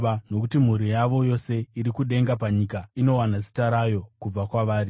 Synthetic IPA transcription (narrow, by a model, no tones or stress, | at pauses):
no̞kutim̤uɾijaʋo̞jo̞se̞iɾikuɗe̞ŋɡap̬aɲikaino̞wanat͡ʃi̥taɾajo̞kub͡vakwaʋaːɾi